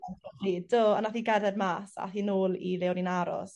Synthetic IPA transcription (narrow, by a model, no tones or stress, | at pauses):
ɔid̥oːɔnaθiːɡɛrðɛdmaːsa̰θinoːlˠilɛwninaɾɔ̰s